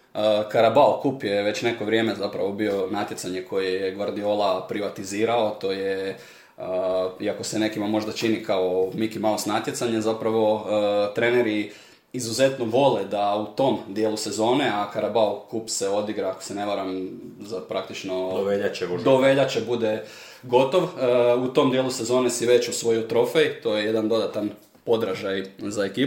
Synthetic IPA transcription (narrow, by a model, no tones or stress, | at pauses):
əkaɾabalkuːpjeʋe̞t͡ɕne̞ko̞ʋɾʲje̞ːmezapɾaʋo̞bio̞nat̪ʲje̞t̪saɲekʰo̞jijeɡʋaɾd̪io̞lapɾiʋat̪iziːɾaot̪o̞ːje | əiako̞sene̞kimamo̞ʒd̪at͡ʃinikao̞mikimalosnat̪je̞t̪saɲezapɾaʋo̞t̪ɾe̞neɾi | izuze̞t̪noʋo̞led̪aut̪o̞md̪jeːlˠusezo̞ːneakaɾabaokupseo̞d̪iɡɾaːko̥sene̞ʋaɾamzapɾak̚t̪it͡ʃno̞ʋeʎad̪oʋeʎat͡ʃebud̪e | ɡo̞t̪o̞ʋut̪o̞md̪jeːlˠuse̞zo̞ːne̞siʋe̞t͡ɕusʋo̞jot̪ɾo̞fe̞jt̪o̞je̞je̞d̪and̪o̞d̪at̪an | po̞d̪ɾaʒajzae̞kiː